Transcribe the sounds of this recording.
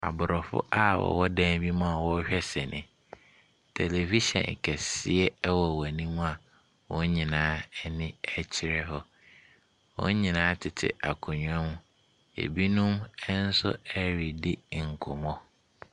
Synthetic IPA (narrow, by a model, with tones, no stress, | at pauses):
a̰˨bʊ˨ɾɔ˨fʊ̰˦ʔa˦wɔ̰˨wɔ˦dæ̃˦m˦bi˦mũ˦a˨wɔ˦ɕᶣɛ˦sɛ˨nʔɪ̃˨ | tʰe˨le˨vi˦ʃɛ̰̃˨n˨kʰɛ˨sɪ˦ɛ˦wɔ˨wæ˨nĩ˦mũ˦a˨ | wɔ̃˦ɲĩ˨nãː˦ɛ˦nɪ̃˦ɛ˦t͡ɕʰɪ˦ɾɛ˦ɦɔ˦ | wɔ̰̃˦ɲĩ˨nãː˨˦tʰɪ˨tʰɪ̰˦˨a˨kʰʊ˨ɲᶣʊ˨ɛ̃˦mʊ̃˦˨ | ḛ˨bi˦nũ˦mɛ˦n̩˦sʊ̰˦æ˦ɾi˨dɪ˦˨ŋ̩˨kʰʊ˨mɔ̃˦